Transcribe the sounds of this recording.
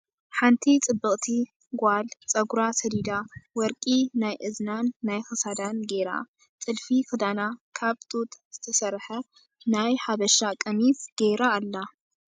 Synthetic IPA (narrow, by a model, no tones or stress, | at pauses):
ħant̪ʰit͡sʼɨbːɨkʼt̪ʰi | ɡʷalt͡sʼɐɡuɾasɐd̪id̪awɔɾkʼinajʔɨznanːajxɨsad̪anɡe̞ɾa̰ | t͡sʼɨlfikɨd̪anakʰaβt̪ʼut̪ʼz̥ɨt̪ʰɐsɐrħɐ | najħaβɐʃakʼɐmit̪ɡ̥eɾaːlːa